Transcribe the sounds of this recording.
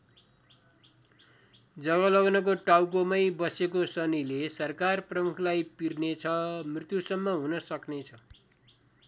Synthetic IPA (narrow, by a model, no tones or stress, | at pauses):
d͡zʌɡʌlʌɡnʌk̬oʈawkomʌjbʌsekosʌnilesʌrkarprʌmukʰlajpirnet͡sʰʌmrit̪jusʌmːʌɦunʌsʌknet͡sʰʌ